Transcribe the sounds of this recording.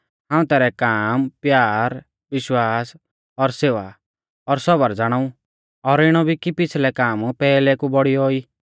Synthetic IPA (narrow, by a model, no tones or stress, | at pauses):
ɦãːũt̪ɛːɾɛkaːmpjaːɾ | ʋɪʃwaːs | ɔɾseːʋa | ɔɾsɔbəɾd͡zaɽ̃aːũ | ɔɾɪɽ̃ɔbʱikipɪt͡sʰlɛkaːmpɛːlɛkubɔɽioːiː